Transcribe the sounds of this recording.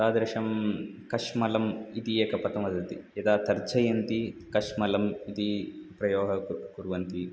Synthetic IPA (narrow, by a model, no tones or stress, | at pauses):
aːd̪ɐɾʂɐmkɐʂmɐlɐmit̪ieːkɐpɐt̪ɐmɐd̪ɐt̪iɐd̪aːt̪ɐɾt͡ʃɐjɐnt̪ikɐʂmɐlɐmid̪ipɾɐjɔːɦɐkkuɾʋɐnt̪i